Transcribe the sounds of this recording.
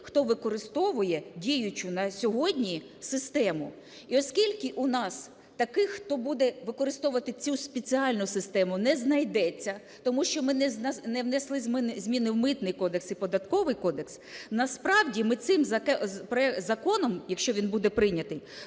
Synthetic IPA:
xt̪ɔʋɪkɔɾɪst̪ɔʋʊjɛdʲijʊt͡ʃʊnɐsʲɔɦɔdʲnʲi | sɪst̪ɛmʊ | iɔskʲilʲkɪʔunɑs | t̪ɐkɪxxt̪ɔbud̪ɛʋɪkɔɾɪst̪ɔʋʊʋɐt̪ɪt͡sʲuspʲet͡sʲiɑlʲnʊsɪst̪ɛmʊnɛznɐjd̪ɛt͡sʲːɐ | t̪ɔmuʃt͡ʃɔmɪnɛnnɛwnɛslˠɪzʲmnzʲmʲinɪwmɪt̪nɪjkɔd̪eksipɔd̪ɐt̪kɔʋɪjkɔd̪eksnɐspɾɑwdʲimɪt̪sɪmzɐpɾɔɛzɐkɔnɔmjɐkʃt͡ʃɔʋʲinbud̪ɛpɾɪnʲɐt̪ɪj

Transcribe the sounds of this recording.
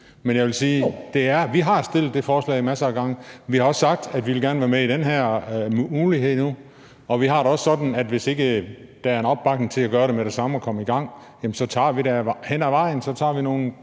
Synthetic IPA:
menjɑɪʋelsiːd̥e̝æɐʋiɦɑ̈sd̥e̝l̰d̥ːe̝fɒːslɛ̰ɪimæsɐæɡ̥ɑ̈ŋəʋihɑɒ̽sːɑ̈ɡ̥̚d̥æd̥ʋiʋelɡ̥æɐnəʋæɐmeid̥enɦæɐ̰mmuːliɦe̝ð̰ˠnu | ɒ̽ʋiɦɑ̈ɾ̥eɒ̽sːɒ̽d̥n̩æd̥ʋe̝se̝ɡ̥əd̥ææɐe̝nɒ̽b̥ːɑ̈ɡ̥neŋt͡sʰe̝læɡ̥ɶːɐɾemeɾ̥e̝sɑ̈məɒ̽kʰɒ̽məiɡ̥ɑ̈ŋ̰ | jæmnsɒ̽t͡sʰɑ̰̈ːʋiɾæhen̰æʋɑ̈ɪ̰n̩sɒ̽t͡sʰɑ̰̈ːʋino̝ːn̩

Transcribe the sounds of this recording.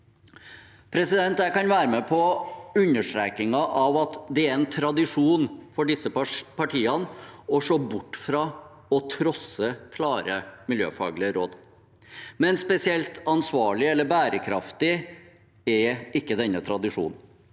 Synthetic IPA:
pʰɾɛsɪd̪ɛnt̪jæɪkɑnʋæːɾəmɛpʰɔʉnːəʂʈɾɛːkɪŋɑʔɑʋɑt̪d̪ɛæɾɾɛnt̪ʰɾɑd̪ɪʂuːnfɔɖɪsːəpʰɑʈʰiːɑnɔʂoːbʊʈːfɾɑː | ɔt̪ʰɾɔsəkʰlɑːɾəmɪljø̰ːfɑ̰ːɡlɪəɾoːd̪ | mɛnspɛsɪɛlt̪ɑnsʋɑːɭɪɛlːəɾbæːɾəkʰɾɑ̰ft̪ɪ | ɛɾɪkːəd̪ɛnːət̪ʰɾɑd̪ɪʂṵːn̩

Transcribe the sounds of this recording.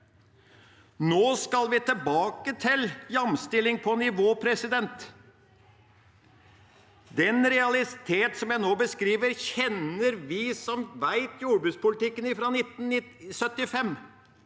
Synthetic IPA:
noːskɑlʋɪt̪ʰəlbɑːkət̪ʰɪljɑmst̪ɪlɪŋpʰɔnɪʋoːpʰɾɛsɪd̪ɛnt̪ | d̪ɛnɾɛɑlɪt̪ʰeːt̪sɔmjæɪnoːbəskɾiːʋəɾçɛnəɾʋɪsɔmʋæɪt̪ʰjuːɖbʉːt̪spʊlɪt̪ɪkːənɪfɾɑːnɪt̪ːn̩ɪsœt̪ːɪfɛm

